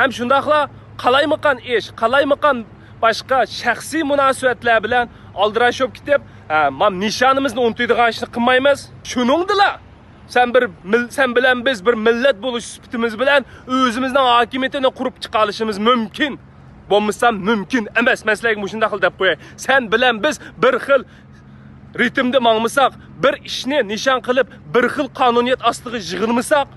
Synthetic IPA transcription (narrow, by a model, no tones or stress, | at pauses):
hɛmʃund̪ɑχlˠɑ | qʰɑlˠɑjməqɑneʃqʰɑlˠɑjməqɑn | b̥ɑʃqɑʃæχsɨjmunɑːsɨbɛt̪læɾbɪlɛn | ɑlˠd̪ɨɾɑʃop̚kʲʰi̥t̪ɪp̚ | mɑmnɨʃɑːnɨmɨznɨunɨt̪ujd̪əʁɑniʃnɨqʰəmɑjmɨz̥ʃunɨŋd̪ɨlˠɑ | sɛnbɪɾmsɛnbɪlɛnbɪzbɪɾmɪlːɛt̪̚bolˠuʃsy̥pʰɪ̥t̪ɪmɪzbɪlɛnøzɪmɪznɪŋɦɑːkʲimijet̪ɪnɪqʰʊɾupt͡ʃʰə̥qɑlˠɨʃimɨzmymkʲʰin | bolˠmɨsɑmmymkʲinɛmɛsmɛnsɪlæɡʲɛmoʃund̪ɑχʰəlˠd̪ɛp̚qʰojɑj | sɛnbɪlɛnbɪzbɪɾχəlˠ | ɾɪt̪ɪmd̪ɪmɑŋmɨsɑq | bɪɾiʃnɪnɨʃɑnqəlˠɪp | bɪɾχəlˠqʰɑːnunijɛt̪ɑst̪ˠəʁəʒəʁəlˠmɨsɑq